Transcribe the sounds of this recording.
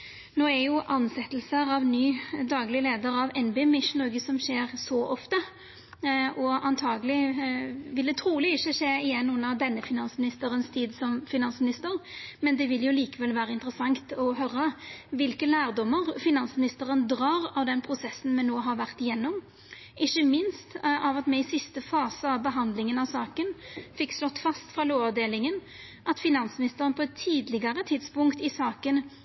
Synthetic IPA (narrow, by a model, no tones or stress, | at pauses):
noːɛɾjʊʔɑnsɛt̪ːəlsəɾɑʋnyːd̪ɑːɡlɪleːd̪əɾɑʋɛnbeːmɪʂnoːɡəsɔmʃeːʁsɔʔɔft̪ə | ʔɔɑnt̪ʰɑːɡəlɪ | ʋɪld̪ɛt̪ʰɾuːlɪɪçəʂeːɪjɛnːʉnːəʁd̪ɛnːəfɪnɑnsmɪnɪst̪əɾənst̪ʰiːd̪sɔmfɪnɑnsmɪnɪst̪əʁmɛnd̪ɛʋɪljʊliːkəʋɛlʋæːʁəɪnt̪əɾəsɑŋt̪ɔɦœɾəʋɪlkəlæːʁd̪ɔmːəʁfɪnɑnsmɪnɪst̪əʁənd̪ɾɑːʁɑʋd̪ɛnpʰʁʊsɛsːn̩mɛnːoːɦɑɾʋæʁt̪ɪjɛnːɔm | ʔɪçːəmɪnst̪ɑʋɑt̪mɛɪsɪst̪əfɑːsəɑʋbəɦɑnd̪lɪŋənɑʋsɑːkənfɪkːslɔt̪ːfɑst̪fʁɑːloːɑd̪eːlɪŋən | ʔɑt̪fɪnɑnsmɪnɪst̪əɾənpʰɔɛt̪ʰːiːd̪lɪɡəɾət̪ʰɪd̪spʊŋkt̪ɪsɑːkən